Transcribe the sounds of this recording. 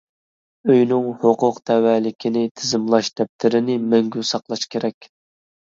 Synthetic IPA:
øjnɪŋhoqʊqt̪ʰɛwɛːlɪkʲʰɪnɪt̪ʰɪzɪmlˠɑʃd̪̥ɛp̚t̪ʰɪɾɪnɪmɛŋɡʲysɑqlˠɑʃkʲʰeɾɛkʲ

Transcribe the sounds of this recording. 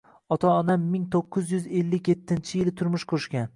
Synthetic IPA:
ɒt̪ʰaɒnamːɪŋt̪ʰoqʰːɨzjʏze̞lːɪkʲje̞t̪ʰːɪnt͡ʃʰɪjɪlɪt̪ʰʊɾmʊʃqʰoʃɡʲan

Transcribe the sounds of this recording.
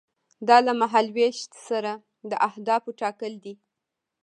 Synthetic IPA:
d̪ɑlamaɦalweʃt̪saɾa | d̪əʔahd̪ɑfoʈɑkəld̪i

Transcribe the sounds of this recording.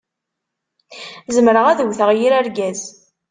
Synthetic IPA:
zəmɾəʁæðəwθəʁjiɾæɾɡæz

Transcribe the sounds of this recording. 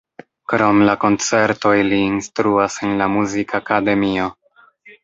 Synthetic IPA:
kɾo̞mlako̞nt͡se̞ɾto̞iliːnstɾuasenlamuzikʰakade̞mio̞

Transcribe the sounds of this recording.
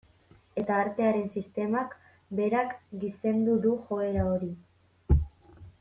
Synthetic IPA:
e̞t̪aːɾt̪e̞aɾe̞nsist̪e̞mak | be̞ɾakɡise̞nd̪uðuxo̞e̞ɾao̞ɾi

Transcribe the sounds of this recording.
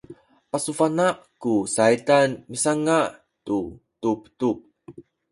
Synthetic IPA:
pasufanaʔkusaitanmisaŋaʔ | tu | tuptup̚

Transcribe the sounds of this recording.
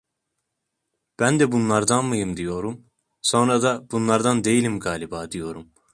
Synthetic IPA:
b̥ænd̪ɛbunlˠaɾd̪anmɯjɯmd̪ijo̞ɾum | so̞nɾad̪ab̥unlˠaɾd̪and̪e̞jilʲimɡaːlʲibaːd̪ijo̞ɾum

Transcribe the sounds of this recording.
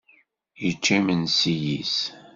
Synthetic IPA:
jət͡ʃːæmənsijis

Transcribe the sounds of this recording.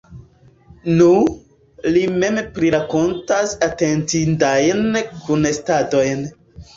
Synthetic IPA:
nu | lime̞mpɾiɾako̞ntasatentindajnkunestado̞jn

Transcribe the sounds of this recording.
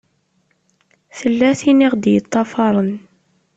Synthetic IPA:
θəlːæθiniʁd̪jət̪ˤːɑfɑɾˤən

